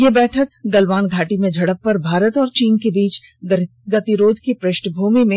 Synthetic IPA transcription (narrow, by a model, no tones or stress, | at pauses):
jeːbɛːʈʰək̚ɡɐlʋaːnɡʱaːʈimẽd͡ʒʱɐɽəppɐɾbʱaːɾət̪ɔːɾt͡ʃiːnkebiːt͡ʃɡ | ɡɐt̪iɾoːd̪ʱkipɾɪʃɳbʱuːmimẽ